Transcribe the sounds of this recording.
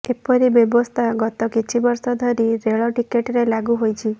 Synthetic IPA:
epɔɾibjɔbɔst̪ʰaɡɔt̪ɔkit͡ʃʰibɔɾsɔd̪ʱɔɾiɾeɭɔʈikeʈɾelaɡuɦojt͡ʃʰi

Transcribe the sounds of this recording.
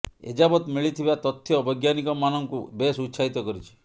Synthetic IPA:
ḛd͡ʒabɔt̪miɭit̪ʰibat̪ɔt̪ʰːjɔbʱɔjɡjanikɔmanɔŋkubesut̪ːsait̪ɔkɔɾit͡ʃʰi̥

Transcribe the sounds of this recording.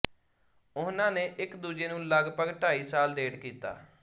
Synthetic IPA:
ʊnãːneːʔɪkd̪uːd͡ʒeːnũːləɡpəɡʈʰaːiːsaːlɖ̪eːɖkiːt̪a̰ː

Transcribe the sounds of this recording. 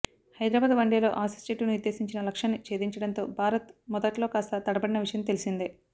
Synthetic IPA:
hɐjd̪ɾaːbaːd̪ʋɐɳɖeːlo̞̰ːʔaːsi̥st͡ʃeʈunuuɾd̪ːe̞ːsiɲt͡ʃinɐlɐkʂɐnːit͡ʃe̞ːd̪iɲt͡ʃɐɽɐnt̪o̞ːbʱaːɾɐt̪mɔd̪ɐʈlo̞ːkaːst̪ɐt̪ɐɽɐbɐɽinɐʋiʂɐjɐmt̪e̞lisind̪i

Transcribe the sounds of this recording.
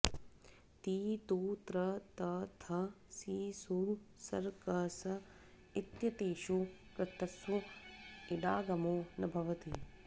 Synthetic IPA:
t̪iːt̪uːt̪ɾɐt̪ɐt̪ʰɐ | siːsusɐ̰ɾkɐsɐ | it̪jɐt̪eːʃukɾɐt̪ɐsʋu | iɖ̪aːɡɐmoːnɐbʱɐʋɐt̪i

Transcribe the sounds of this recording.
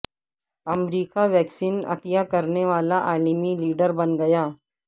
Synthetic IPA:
ɐmɾiːkaʋɛːksiːnɐ̰t̪ɪjakɐɾneʋaːlaʔaːlimiliːɖəɾbɐnɡɐjaː

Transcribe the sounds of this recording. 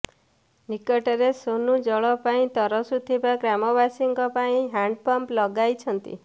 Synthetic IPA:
nikɔʈɔɾesonũd͡ʒɔɭɔpaĩt̪ɔɾɔsut̪ʰibaɡɾamɔβasiŋɡɔpaĩɦaɳɖpɔmplɔɡajt͡ʃʰɔnt̪ḭ

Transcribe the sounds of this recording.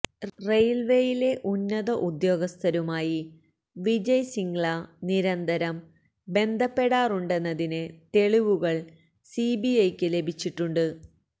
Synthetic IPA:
rejlʋe̞jile̞ʔunːɐðɐʔud̪jo̞ːɡɐst̪ʰɐɾumaːji | ʋid͡ʑɐjsiŋɡɭɐniɾɐnd̪ʱɐɾɐm | be̞nd̪ʱɐpːe̞ɽaːruɳɖe̞nːɐðinɨt̪e̞ɭiʋuɣɐɭ | sibiɐjkʲːɨle̞bʱit͡ɕːiʈːuɳɖɨ

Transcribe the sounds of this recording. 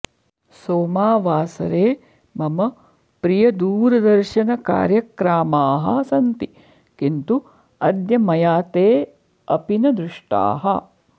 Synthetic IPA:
soːmaːʋaːsɐ̰ɾeː | mɐmɐ | pɾijɐd̪uːɾɐd̪ɐɾʃɐnɐka̰ːɾjɐkɾaːmaːɦɐ̰sɐnt̪i | kint̪u | ɐd̪jɐmɐjaːt̪eː | ɐpinɐd̪ɾuʂʈa̰ːɦɐ̰

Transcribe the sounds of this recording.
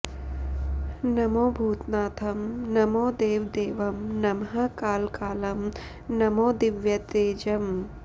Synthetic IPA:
nɐmoːbʱuːt̪naːt̪ʰɐmnɐmoːd̪eːʋd̪eːʋɐmnɐmɦɐkaːlkaːlɐm | nɐmoːd̪iʋjɐt̪eːd͡ʒɐm

